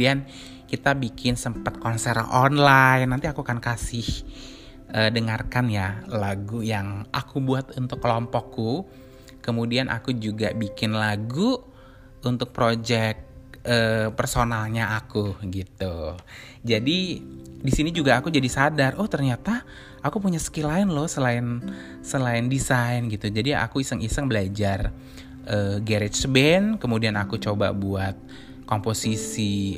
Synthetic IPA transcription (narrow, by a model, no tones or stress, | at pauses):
ian | kit̪abikʰɪnsəmpat̪̚kɔnsɛrɔnlajnːant̪iakuakankasɪh | ʔəːdəŋarkanjalaɡujaŋʔa̰kubuat̪unt̪ʊkːəlɔmpɔkːu | kəmudianʔa̰kud͡ʒuɡabikɪnlaɡu | unt̪ʊk̚pɾod͡ʒɛk̚əpərsonalɲaakuɡit̪u | d͡ʒadidisinid͡ʒuɡaːkud͡ʒadisadarɔht̪ərɲat̪a | akupuɲasə̥kilaɪnlɔhsəlaɪn | səlaɪndisaɪnɡit̪ud͡ʒadia̰kuisəŋisəŋbəlad͡ʒar | ʔəɡɛɾɪt͡ʃbɛnkəmudianakut͡ʃoba̰buat̪̚ | komposisi